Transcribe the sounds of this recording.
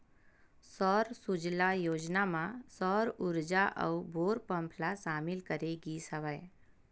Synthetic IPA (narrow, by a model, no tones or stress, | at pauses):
sɔːɾsʊd͡ʒlajoːd͡ʒnamãsɔːɾʊɾd͡ʒaʔə̰ubʱoːɾpə̃mpʰlaʃaːmɪlkəɾeɡisəʋae